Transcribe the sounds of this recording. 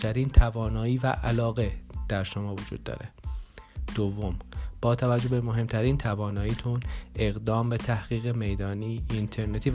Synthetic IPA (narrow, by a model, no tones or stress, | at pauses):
t̪ʰæɾiːnt̪ʰævɒːnɒːiːvæ̰ʔælɒːɣe̞d̪̥æɾʃomɒːvod͡ʒṵːd̪̚ːɒ̰ːɾe | d̪̥ovːo̞mb̥ɒːt̪ʰævæd͡ʒːo̞bemoɦe̞mt̪ʰæɾiːnt̪ʰævɒːnɒːjiːt̪ʰunʔe̞ɣd̪ɒːmbe̞t̪ʰæhɣ̥iːɣeme̞jd̪ɒːniːnt̪ʰe̞ɾne̞t̪ʰiː